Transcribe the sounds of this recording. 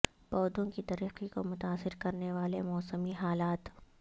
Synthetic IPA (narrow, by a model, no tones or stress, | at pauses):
bɔːd̪õkit̪ɐɾiːqikomʊt̪aːsɪɾkɐɾneʋaːlemɔːsəmiɦaːlaːt̪